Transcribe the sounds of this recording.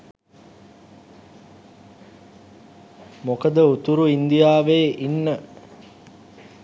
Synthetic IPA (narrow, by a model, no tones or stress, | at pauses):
mokəd̪əut̪uɾuind̪ijaːʋeːʔinːə